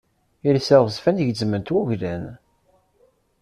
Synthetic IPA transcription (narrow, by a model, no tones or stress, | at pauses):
iɾsæʁzfænʝd͡zmənt̪wuʝlæn